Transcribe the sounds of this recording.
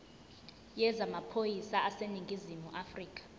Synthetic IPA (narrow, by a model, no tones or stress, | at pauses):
jɛzamapʰojisaʔaseniŋɡʱizimuʔafriːkʼḁ